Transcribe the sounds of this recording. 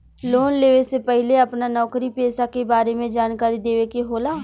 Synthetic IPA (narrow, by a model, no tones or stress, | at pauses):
loːnleːʋesepɛɦɪleɐpnanɔːkɾipeːsakebaːɾemẽd͡ʒaːnkaːɾid̪eːʋekeɦoːlaː